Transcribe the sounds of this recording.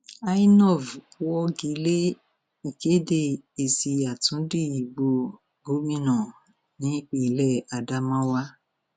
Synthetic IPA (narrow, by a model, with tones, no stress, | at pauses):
a˦i˦nɔ˦˨vwɔ˦ɡi˨˦le˦ | i˨ke˨˦de˧i˨si˧a˨tũ˨˦di˦˨i˨ɡ͡bo˧ | ɡo˨˦mĩ˦nã˨ | nĩ˨˦k͡pi˧˨lɛ˦˨a˧da˧mã˦wa˦